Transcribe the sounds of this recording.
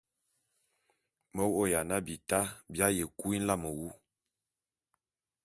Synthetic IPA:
mə˦wo˦˨ja˨na˦bi˨ta˦bja˦je˨ku˦i˦n̩˦la˦mə˨wu˦

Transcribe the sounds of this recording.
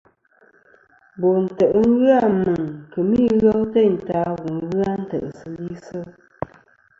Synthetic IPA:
bo˨n̩˨tə˨ʔŋ˦ɣɯ˦a˦˨mə˨ŋkə˨mi˦ɣə˦wtə˦˨n̩˨taː˨˦ɣu˨ŋ˦ɣɯ˦a˦n̩˦tə̰˨ʔsɨ˨li˦sə˦

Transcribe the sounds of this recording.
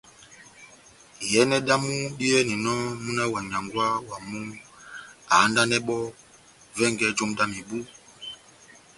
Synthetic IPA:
jɛ˨˦nɛ˦ɗa˦mu˦ɗi˦ɛ˦ni˨nɔ˦mu˦na˦wa˨ɲa˨ŋɡwa˦wa˨mu˦ | a˨˦nda˦nɛ˦ɓɔ˦ | vɛ˦˨ŋɡɛ˦d͡ʒo˦mɗa˦mi˨bu˦

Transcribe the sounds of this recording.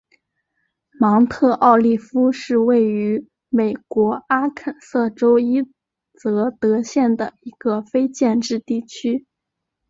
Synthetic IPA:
mɑ˧˥ŋt̪ʰɤ˥˧ʔɑ˥˧ʊli˥˩fu˥ʂɻ̩˥˧we˥˩ɪy˧˥ | me˨˩ɪkwɔ˧˥a˥kʰə˨˩nsɤ˥˩ʈ͡ʂo˥ʊi˥ | t͡sɤ˧˥t̪ɤ˧˥ɕjɛ˥˩nd̪ə˩i˧˥ɡ̥ə˧fe˥ɪt͡ɕjɛ˥˧nʈ͡ʂɻ̩˥˧t̪i˥˩t͡ɕʰy˥

